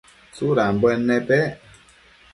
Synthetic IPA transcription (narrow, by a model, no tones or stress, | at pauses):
t͡suɾambwɛnɛpɛ